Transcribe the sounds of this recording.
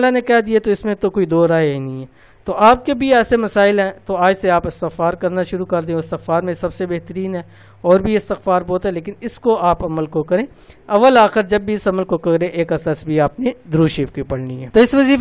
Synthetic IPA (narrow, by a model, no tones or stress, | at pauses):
lːanekɛd̪iet̪oɪsmẽt̪okoːid̪oːɾaːeinĩĩɦɛː | t̪oʔaːp̚kebʱiɛːsemɐsaːɪlɦɛ̃t̪oaːd͡ʒseaːpɪst̪ɪxfaːɾkɐɾnaʃʊɾukɐɾd̪ẽoɪst̪ɪxfaːɾmẽsɐbsebeɦt̪əɾiːnɦɛː | ɔːɾbʱiɪst̪ɪxfaːɾbɔːt̪ɦɛleːkɪnɪskoʔaːpɐməlkokɐɾẽː | ɐʋːəlaːxɪɾd͡ʒɐbːʱiɪsɐməlkokɐɾẽʔeːkɐslasbʱiaːpned̪ɾuːʃiːfkipɐɽniɦɛ̰ːt̪oːɪsʋɐziːf